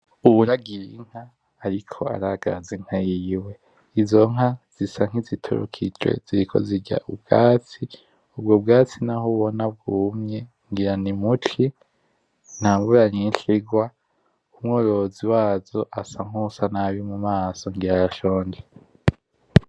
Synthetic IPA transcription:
uβuɾaɡiɾiŋ̥haː | ɾikʰo̞a̰ɾaɡ̥a̰zeŋ̥hajiwe̞ | izo̞ŋ̥ɦaz̥isaŋ̥izitʰo̰ɾo̰kʰid͡ʒwḛziɾikʰo̰ziɟa̰ʔub̚ɡ̥aːt͡si | ub̚ɡob̚ɡaːt͡sinahoβonab̚ɡuːmɲe | ŋɡiɾanimuti | n̥haːmbuɾaɲinɬiɡwa | umŋoːɾo̞ziwaːzo̞ʔasaŋ̥usanaβimumaːsoŋɡiɾajaʃoːnd͡ʒe

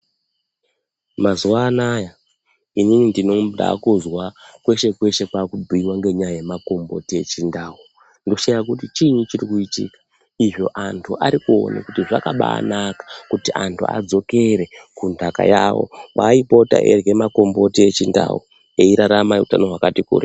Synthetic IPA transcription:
mazuwaːnaja | ininindinoda̰kuzwakwe̞ʃe̞kwe̞ʃe̞kwakubʱiiwaŋɡe̞ɲajajemako̞mbo̞̰tie̞̰t͡ʃindaːwu | ndoʃajak̬utit͡ʃiɲut͡ʃirikuitḭkḁ | iʐo̞̰ʔantʰuʔaɾikuo̰na̰kutiʐakaɓa̰ːnakḁkutiʔantʰṵa̰d͡zo̞ke̞ɾe̞kundʱaka̰jawo̰ʋa̰ipo̞ta̰ʔḛrɡe̞mako̞mbo̞tiet͡ʃinda̰wu | eiɾaɾamautanoɦwakatikṵːɾi

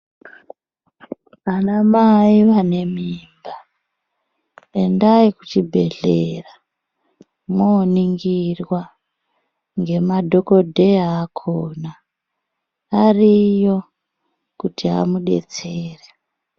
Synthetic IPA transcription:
ʋanamaiʋane̞miːmba | endaikut͡ʃibʱe̞̰ɮera | moːniŋɡirwa | ŋɡe̞madʱo̞ko̞dʱeaːkʰoːna | rijo̞ | kutiɦa̰muɗe̞̰t͡seːre

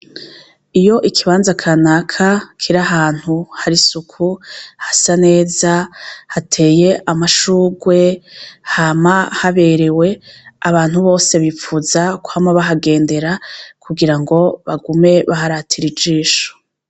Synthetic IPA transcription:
ijo̞ʔikʰiβaːnzakʰanakʰakʰiɾaɦaːn̥huhaɾisukʰuhasane̞ːzahatʰe̞ːje̞ʔamaʃuːɡwe̞hamahaβe̞ɾe̞we̞aβaːnhuβo̞ːse̞βip͡fuzakuhamaβaɦaɡe̞ːnde̞ɾakʰuɡiɾaŋɡo̞βaɡume̞βahaɾatʰiɾid͡ʒiːʃo̥

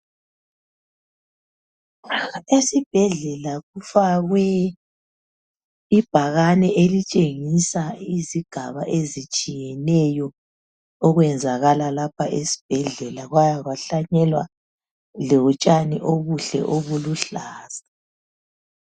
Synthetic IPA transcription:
esib̥ʱɛɮɛlaɣufaɣwɛ | ib̥ʱaɣanɛʔelit͡ʃʼeŋisaiziɡ̥ʱaβaʔezit͡ʃʼijɛnɛjɔ | ɔɣwɛnd͡zʱaɣalalapʰaʔesi̥b̥ʱɛɮɛlaɣwajaɣaɬaɲɛlwa | lɛwut͡ʃʼaniʔoβuɬɛ̰ʔoβuluɬaːz̥a

